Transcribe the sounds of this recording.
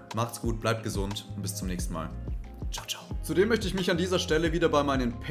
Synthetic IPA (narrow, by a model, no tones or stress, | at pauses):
maχtsɡ̥uːt̚b̥laɪp̚t̚ɡ̥əzʊntʊntb̥ɪst͡sʊmnɛːçstn̩ma̰ːlt͡ʃaʊt͡ʃaʊt͡sudeːmːœçtəɪçmɪçandiːzɐʃtɛləviːdɐbaɪmaɪnənpʰ